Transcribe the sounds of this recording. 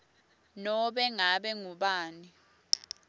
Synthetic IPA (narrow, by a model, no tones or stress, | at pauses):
nɔɓɛŋaɓɛŋuɓaːni